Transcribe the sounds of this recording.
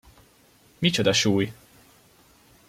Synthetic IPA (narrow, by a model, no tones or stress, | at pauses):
mit͡ʃod̪ɒʃuːj